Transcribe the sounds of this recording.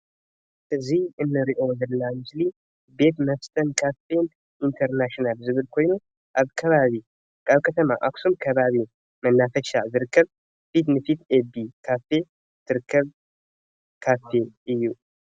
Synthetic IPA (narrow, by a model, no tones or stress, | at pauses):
ʔɨzihɨnːɨɾiʔozəlːamɨsli | be̞t̪məft̪ʼənkʰafen | ʔint̪ʰəɾnaʃinalzɨβɨlkʰo̞jnu | ʔaβkʰɐβaβi | kʼaβkʰət̪ʰəmaʔaksumkʰəβaβi | mənːafəʃa̰zɨɾɨkʰːəβ | fit̪nɨfit̪ebikʰafe̞ | t̪ʰːɨɾɨkʰːəβ | kʰafe̞ʔɨjːu